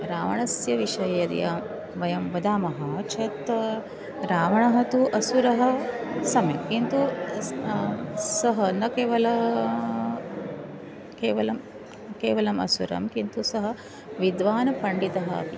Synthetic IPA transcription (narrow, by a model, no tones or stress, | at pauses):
ɾaːʋɐ̰ɳɐsjɐʋiʃɐjɐɐɾjaːm | ʋɐjɐmʋɐd̪aːmɐɦɐt͡ʃʰɐt̪ | ɾaːʋɐɳɐɦɐt̪uʔɐsuɾɐɦɐ̆sɐmekint̪u | sɐɦɐnɐkeːʋɐlɐ | keːʋɐlɐm | keːʋɐlɐmɐ̰suɾɐ̰mkint̪usɐɦɐ̆ | ʋid̪ʋaːnɐpɐɳɖit̪ɐɦɐɐ̰pi